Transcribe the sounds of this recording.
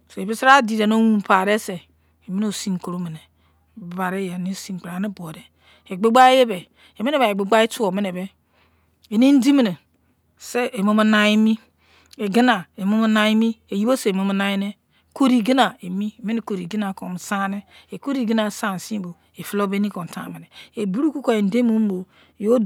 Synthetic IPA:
so˨e˨bi˦si˦ɾa˦di˨ɾe˨no˦wu˦m˨pa˨ɾe˦se˨ | e˨mi˦no˨si˦m˨ko˨ɾo˦me˨ne˨ | bba˨ɾe˦ja˨ni˦˨˦si˦m˨o˨ɾa˨ni˦bo˨ɾe˨ | e˨ɡ͡be˦ɡ͡ba˦e˦je˦be˨ | e˨me˦ne˦be˨e˨ɡ͡be˦ɡ͡ba˦e˦tu˦o˨me˦ne˨be˦ | e˨ni˦n̩˦di˦mi˨ne˨ | se˦e˨mo˦ma˦na˨i˦mi˦ | e˨ɡi˦na˨e˨mo˦ma˦na˦i˦mi˦e˨ji˦bo˦se˨mo˨˦m˦na˦je˦ne˦ | ko˦ɾi˨ɡi˦na˨e˨mi˦˨me˦ne˦ko˨ɾi˨ɡi˦na˨ko˨m˨sa˦ne˦e˨ko˦ɾi˦˨ɡi˦na˨sa˦n˨si˦bo˨ | e˨fi˦lo˦be˦ni˦ko˨n̩˨ta̰˨me˨ne˨e˨bu˦ɾu˦ku˦ko˨e˨n̩˨de˦mo˦m˦bo˨ | jo˦

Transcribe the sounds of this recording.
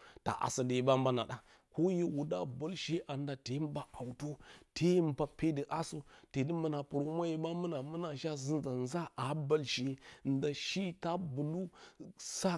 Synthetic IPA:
ta̰˨ʔa̰˨sa˨di˨ji˨ba˦m˦ba˦na̰˨ɗa˨ | ko˦je˦wu˨da̰˦bo˦lʃe˦ʔa˨nda˨te˨˦m˦ba˦a˨u˨to˦tʰe˦m˦ba˨pʰe˦də˨ʔa˦so˦te˨di˦mə˨na˨pu˨ɾo˦m˦a˦je˨ɓa˦mə˦na˨mə˦na˨ʃa˦zi˦nza˨n˦za˦ʔa˨ba˦lʃe˨˦˨nda˨ʃi˦ta˦bu˨lu˦sa˦

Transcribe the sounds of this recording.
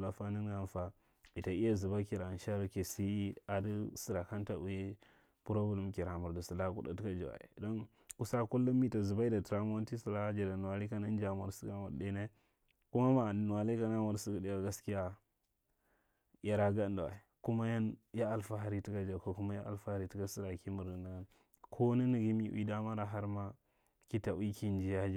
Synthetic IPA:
la˨fa˦ni˦n˦ɡa˦n˦fa˨ | i˨ta˨i˦a˦zi˨ba˦ki˨ɾa˨nʃa˦ɾa˦ke˨si˦a˨di˦si˨ɾa˨ka˦nta˨u˨ji˦ | pu˦ɾo˦bu˨lu˨˦m˨ki˨ɾa˨mu˨ɾdu˨su˨la˦kṵ˦ɗa̰˨ti˦ka˦d͡ʒa̰˨wa̰˨ḭ˨do˦n | ku˦sa˦ku˦lːa˦mi˦ta˨zu˨ba˦i˦da˨tɾa˦m˦a˦n˦ti˦su˨la˦d͡ʒa˨da˨nu˨wa˨li˦ka˦na˦n˦d͡ʒa˨ma˨ɾsi˦ɡa˦ma̰˨ɾde˦na˦ | ku˦ma˦ma˨nu˨wa˨li˦ka˦na˦mu˨ɾsi˦ka˦di˦˨a˨ɡa˦ski˦ja˦ | ja˨ɾa˦ɡa˦n˦da˨wa̰˨ku˦ma˦ja˦nja˦a˨lfa˨˦ɦa˦ɾi˦ti˦ka˦d͡ʒa˨ko˨ku˦ma˦ja˦a̰˨lfa˦ha˨ɾi˦ti˦ka˦si˦ɾa˨ki˦mu˨ɾdu˨na˨ɡa˦n | kʰo˦na˦ni˨ɡi˦mi˦wʔḭ˦da˦ma˦ɾa˨ɦa˦ɾma˦ | ki˦ta˨wi˦ki˦n˦d͡ʒi˦ja˦d͡ʒ

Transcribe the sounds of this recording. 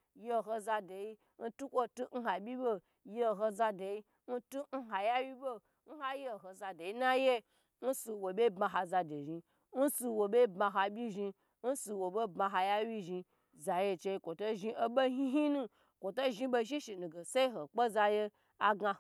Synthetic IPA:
je˦˧˨ɦo˧za˧de˨i˦ | n̩˦tu˦kʷo˦tu˦n̩˦a˨bʲi˦bo˦ | je˦˨ɦo˧za˧de˨ji˦ | n̩˦tu˦n̩˦ɦa˨ja˦wi˦bo˦ | n̩˦ha˦je˦˨ɦo˨za˧de˨i˦na˦je˦ | n̩˦su˧wo˨bʲe˦bma˧ɦa˧za˧de˨ʒi˧ | n̩˦su˧wo˨be˦bma˧ɦa˧bʲi˦ʒi˧ | n̩˦su˧wo˨bo˦bma˧ɦa˧ja˦wʲi˦ʒi˧ | za˨je˧t͡ʃe˧i˧kʷo˨to˦ʒi˧ʔo˦ɓo˦ɦi˦ɦi˦nũ˦˧ | kʷo˨to˦ʒi˧ɓo˧ʃ̬i˦ʃi˨nũ˨ɡe˨se˦i˦ɦo˨k͡po˦za˧je˧ | a˨ɡa˧

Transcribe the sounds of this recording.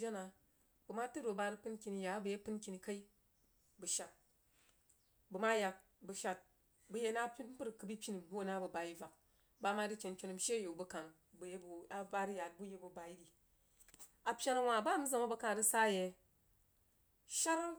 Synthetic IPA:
a˦na˨ | bu˨ma˦tu˦do˨ba˧ɾɨ˦pɨ˦nkʲi˨ni˨ja˨˦bu˨je˦pɨ˦nkʲi˨ni˨ka˦i˦ | bu˨ʃa˨t̚ | bu˨ma˦ja˧k̚ | bu˨˧ʃa˨t̚ | bu˦je˦na˦pʲi˦m˦bu˦ɾkɨ˨˦bi˦pʲi˦ni˨bu˦o˨na˦bɐ˨ba˨i˦va˨k̚ | ba˦ma˦di˦t͡ʃe˨nt͡ʃʲo˧nu˨m̩˨ʃe˦˨jo˨bu˦ka˨ŋ | bu˨je˦bu˨a˨ba˦ɾi˦ja˨t̚bu˦je˦bu˨ba˨i˦di˨ | a˨pʲja˦na˨wa˨ba˦˨m̩˦za˨ma˦bɐ˧˦ka˨du˦sa˦je˨ | ʃa˦ɾa˦

